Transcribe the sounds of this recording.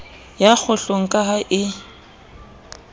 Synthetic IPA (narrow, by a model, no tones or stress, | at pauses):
jak͡xʰʊɬoŋ̩kʼaɦaʔɪ